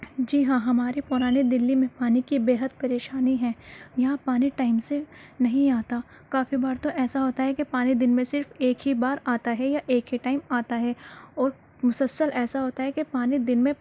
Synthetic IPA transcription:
d͡ʒiːɦãːɦɐmaːɾepʊɾaːned̪ɪlːimẽpaːnikibeːɦəd̪pɐɾeːʃaːniɦɛ̃ːjɐɦãpaːniʈaːɪmsenɐɦĩaːt̪a | kaːfibaːɾt̪oʔɛːsaɦoːt̪aɦɛkepaːnid̪ɪnmẽsɪɾfeːkɦibaːɾaːt̪aɦɛjaʔeːkɦiʈaːɪmaːt̪aɦɛɔːɾ | mʊsəlsəlʔɛːsaɦoːt̪aɦɛkepaːnid̪ɪnmẽ

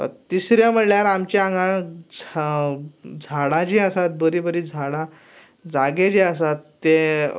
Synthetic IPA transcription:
ə̰t̪isɾjam̤əɽljaɾamt͡ɕiãŋɡãd͡z | d͡zʱaɽãd͡ʑiəsat̪̚bəɾiːbəɾiːd͡zʱaɽã | d͡zaɡed͡ʑiəsat̪ːe

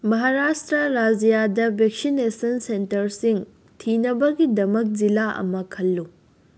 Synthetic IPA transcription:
mɐɦaɾastɾɐɾad͡ʒijadɐbʱek̚sinesɐnsentɐɾsiŋ | tʰinɐbɐɡidɐmɐk̚d͡ʒilaʔɐ̰mɐkʰɐlːu

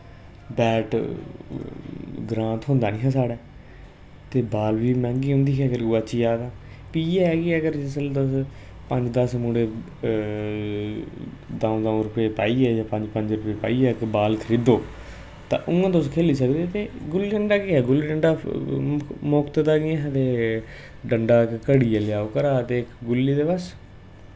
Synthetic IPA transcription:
bɛːʈ | ɡɾãːt̪ɦʊ̃nd̪aːnĩːɦãːsaːɽɛː | t̪eːbaːlʋiːmɛ̃ːŋɡiːʊ̃nd̪iːkɛːkəɾɡuaːʃiːd͡ʒaːd̪ãː | piːɛːɛːɡiəɡəɾd͡ʒɪsəld̪əs | pə̃ɲd͡ʒd̪əsmuːɽeː | d̪ãːõːd̪ãːõɾʊpeːpaːiːɛːd͡ʒãːpə̃ɲd͡ʒpəɲd͡ʒɾʊpeːpa̰ːiːɛːkbaːlk̪ʰəɾɪd̪oː | t̪ã̰ːʔʊŋãːt̪̬oskʰeːliːsəkd̪eːt̪eːɡʊliːɖəɳɖaːkeɛːɡʊlːiːɖəɳɖaː | mʊkt̪d̪aːɡɪãɦt̪eː | ɖəɳɖaːkkəɽiːɛːlɪjaːokəɾaːət̪eːɪkɡʊlːiːd̪eːʋəs

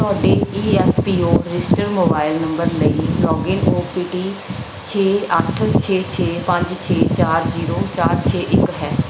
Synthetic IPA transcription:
t̪ɔːɖeːiːɛːfʰpiːoːɾɪsʈəɾmoːbaːɪlnəmbəɾləiːlɔːɡɪnoːpiːʈiː | t͡ʃʰeːəʈʰt͡ʃʰeːt͡ʃʰeːpə̃ɲd͡ʒt͡ʃʰeːt͡ʃaːɾziːɾoːt͡ʃaːɾt͡ʃʰeːʔɪkɦɛː

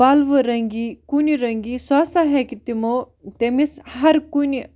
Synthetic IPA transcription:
aːlʋɨɾɐŋɡikuniɾɐŋɡisaːsaɦɛkit̪imo | t̪emishɐɾkuni

